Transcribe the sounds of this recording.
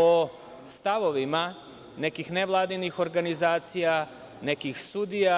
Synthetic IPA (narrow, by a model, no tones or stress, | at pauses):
o | st̪aʋo̞ʋima | ne̞kixneʋlˠaːd̪inixo̞ɾɡanizaːt̪sija | nekixsud̪ija